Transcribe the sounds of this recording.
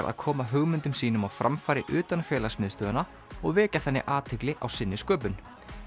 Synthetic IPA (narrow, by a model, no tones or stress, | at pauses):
ɾʔa̰ðkʰɔːmaɦʏɣmʏnt̪ʏmsiːnʏmawfɾʔamfaːɾɪʔʏːt̪anfjɛːlasmɪðst̪œːðana | ɔɣvɛːcaθɛnːɪ̰ʔaːt̪ʰɪklɪʔa̰wsɪnːɪskœːpʏn